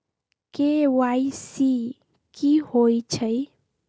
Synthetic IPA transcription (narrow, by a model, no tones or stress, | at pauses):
kewaisi | kihojt͡ʃʰəj